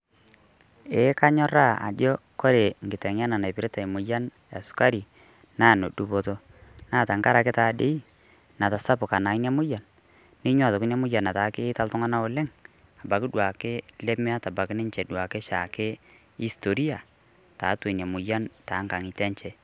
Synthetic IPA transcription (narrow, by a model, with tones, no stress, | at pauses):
e˨˦ka˦ɲɔ˦ɾa˦˨a̰˨d͡ʒɔ˦ko˦ɾe˨ŋɡɪ˨tɛ˨ŋ˦a˦na˨na˨pɪ˨ɾe˦ta˨i˨mʊ˨ja˦n | a̰˨sʊ̥˦ka˦ɾi˨ | naː˦˨no˨du˨po˨to˦naː˦˨ta˨ŋka˦ɾa˨kɪ˦taː˨de˦i˦ | na˨ta˨sa˦pʊ˨ka˨na˨ɪ˦na˦mʊ˦ja˨nː | ɪ˦ɲwa˦˨tɔ˨kɪ˦n˦a˦mʊ˦ja˨na˨ta˨˦kɪ˦ɪ˦ta˦ltʊ˦ŋa˦na˦ʊ˨lɪ˦ŋ | a˨ba˨kɪ˦dwa˨kɪ˦le˦me˦a˦ta˨ba˨kɪ˦nɪ˦ɲt͡ʃɛ˨dwa˨kɪ˦ʃa˨kɪ˦ | i˦sto˨ɾi˦a˨ | ta˨˦to˨n˨a˨mʊ˨ja˦nta˨˦ŋka˨ŋi˨tɛ˦ɲt͡ʃɛ˦